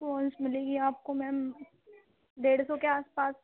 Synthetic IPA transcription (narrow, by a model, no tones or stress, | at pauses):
ɔːnsmɪleːɡiaːp̚komɛ̃ | ɖ̪eːɽsokeaːspaːs